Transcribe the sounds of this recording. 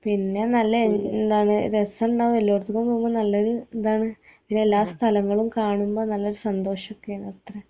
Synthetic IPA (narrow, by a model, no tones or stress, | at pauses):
pinːe̞nɐlːɐnd̪aːɳɨɾesɐɳɖaːʋumelːoːrt̪ːukːɐmumbɐnɐlːɐoɾund̪aːɳɨpinːeelːaːst̪ʰɐlɐŋːɐɭumkaːɳumbo̞ːnɐlːɐoɾusɐnd̪o̞ːʂɐokːejaːɳɐt̪ːrɐ